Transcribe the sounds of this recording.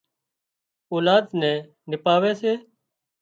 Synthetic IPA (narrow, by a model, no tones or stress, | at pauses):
oːlaːd̪nɛ̃ː | nɪpaːʋɛːseː